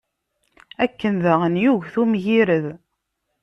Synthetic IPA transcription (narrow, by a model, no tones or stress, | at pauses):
ækːənðəʁənjuʝθumʝiɾəð